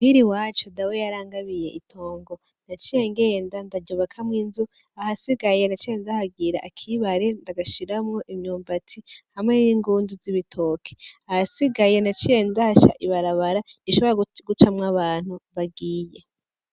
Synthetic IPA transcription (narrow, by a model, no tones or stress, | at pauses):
hiɾiwaːt͡ʃodawejaɾaːŋɡaβije̞̰ʔitʰo̞ːŋɡo̞ | nat͡ʃije̞ŋɡe̞ːndandaɟoβakʰamŋiːnzu | ahasiɡajenat͡ʃieːndahaɡiɾa̰ʔakʰiβaɾe̞ndaɡaʃiɾamŋo̞ʔimɲuːmbatʰihamŋeniŋɡuːndiziβitʰoːkʰe̥ahasiɡajenat͡ʃije̞ːndahʃa̰ʔiβaɾaβaɾaiʃo̞βeɾaɡut͡ʃamŋaβaːn̥huβaɡiːje̞